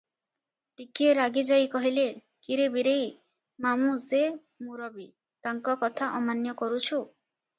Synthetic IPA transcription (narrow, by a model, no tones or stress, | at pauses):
ʈikieɾaɡid͡ʒajkɔɦile | kiɾebiɾej | mamuse | muɾɔbi | t̪aŋkɔkɔt̪ʰaʔɔmanjɔkɔɾut͡ʃʰu